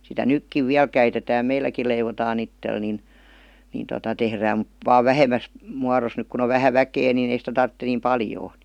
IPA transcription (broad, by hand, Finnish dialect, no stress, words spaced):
sitæ nykːiʋ ʋiæl kæitetæː meilːækil̆ leiʋotɑːn itːel nin nin totɑ tehræːm mut ʋɑː ʋæhemæs muɑros nyk kun o ʋæhæ ʋækeː nin ei sitæ tɑrtːe niːm pɑljoː